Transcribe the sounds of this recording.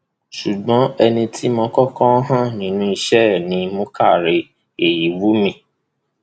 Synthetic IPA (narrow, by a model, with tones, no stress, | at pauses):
ʃu˨ɡ͡bɔ̃˨˦ɛ˧nĩ˧tʰi˦mɔ̃˧kɔ˦kɔ̃˦ɦã˦nĩ˨˦nũ˧˦i˧ʃɛ˦˨nĩ˨˧˦mõ˦ka˦˨ɾe˧ | e˨ji˨˦wu˨˦mĩ˧